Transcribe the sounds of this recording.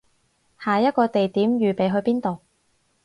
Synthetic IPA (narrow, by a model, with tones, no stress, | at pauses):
haː˨˩jɐ˥t̚kɔː˧t̪e˨jt̪iː˨˥mɥyː˨pe˨˧jɦɵ˧ɥpiː˥nt̪o˨w